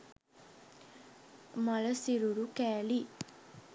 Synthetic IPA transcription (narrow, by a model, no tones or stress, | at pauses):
mɐɭɐsiɾuɾukæːli